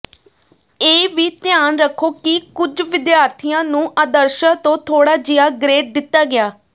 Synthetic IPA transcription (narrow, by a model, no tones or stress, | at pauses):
eːʋiːt̪ɪjaːnɾəkʰːoːkɪkʊd͡ʒʋɪd̪jaːɾt̪ʰijãːnũːʔəːd̪əɾʃãːt̪õːt̪ʰoːɽaːd͡ʒɪjaːɡɾeːʈ̚d̪ɪt̪ːaːɡɪaː